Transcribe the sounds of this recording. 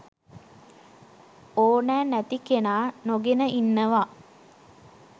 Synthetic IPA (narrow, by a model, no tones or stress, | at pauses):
oːnæːnæt̪ikenaːnoɡenəʔinːəʋa